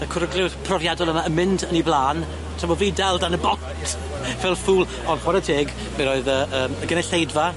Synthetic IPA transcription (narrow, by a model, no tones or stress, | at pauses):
əkʰʊɾəɡlɪwθpʰrɔvjadɔlˠəmaəmɪndəniblˠaːn | tʰaəmɔviːdɛlˠdanəbɔntʰ | vɛlˠfuːlˠ | ɔnχwaɾətʰeːɡ | mɛɾoːɨðəːəːməɡənɛɬejdva